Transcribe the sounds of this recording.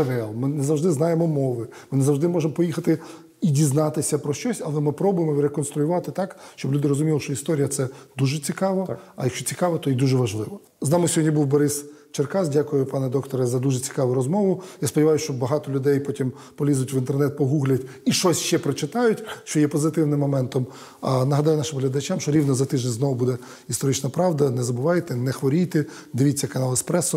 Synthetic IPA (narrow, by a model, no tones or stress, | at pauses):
ɐʋɛlˠmɪnezɐwʒd̪ɪznɑjemɔmɔʋɪmɪnezɐwʒd̪ɪmɔʒemɔpɔjixɐt̪ɪ | idʲiznɑt̪ɪsʲɐpɾɔʃt͡ʃɔsʲɐlˠɛmɪpɾɔbʊjemɔʋɾekɔnst̪ɾʊjʊʋɑt̪ɪt̪ɑkʃt͡ʃɔblʲud̪ɪɾɔzʊmʲilˠʃt͡ʃɔist̪ɔɾʲijɐt̪sɛd̪uʒɛt͡sʲikɑʋɐɐjɐkʃt͡ʃɔt͡sʲikɑʋɐt̪ɔid̪uʒɛʋɐʒlˠɪʋɔ | znɑmʊsʲɔɦɔdʲnʲibuwbɔɾɪst͡ʃerkɑzdʲakʊjʊpɑnɛd̪ɔkt̪ɔɾɐzɐd̪uʒɛt͡sʲi̥kɑʋʊɾɔzmɔʋʊjaspɔdʲɪʋɑjʊsʲt͡ʃɔbɐɦɑt̪ɔlʲʊd̪ɛjpɔtʲim | pɔlʲizʊtʲʋɪnt̪ernɛt̪̚pɔɦuɣlʲɐtʲiʃt͡ʃɔsʲʃt͡ʃɛpɾɔt͡ʃɪt̪ɑjʊtʲʃt͡ʃɔjɛpɔzɪt̪ɪwnɪmːɔmɛnt̪ɔm | ɐnɐɦɐd̪ɑjʊnɑʃɪmɦlʲɐd̪ɐt͡ʃamʃt͡ʃɔɾʲiʋnɔzɐt̪ɪʒd̪ʲenʲznɔʋʊbud̪ɛ | ist̪ɔɾɪt͡ʃnɐpɾɑʋd̪ɐnɛzɐbʊʋɑjt̪ɛnɛxʋɔɾʲijt̪ɛd̪ɪʋʲit͡sʲːɐkɐnɑlˠɪspɾɛsʊ